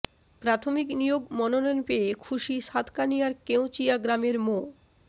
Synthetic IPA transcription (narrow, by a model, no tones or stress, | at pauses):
pɾat̪ʰomiknijoɡmɔnononpeekʰuʃiʃat̪ʰkanijaɾkew̃t͡ɕijaɡɾameɾmo